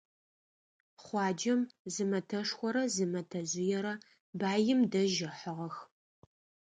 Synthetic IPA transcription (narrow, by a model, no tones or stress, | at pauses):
χʷɑːd͡ʒɐmzɨmɐtʰɐʂxʷɔɾɐzɨmɐtʰɐzɪjɛɾɐ | baːjɪmdɐʒɪħəʁɐx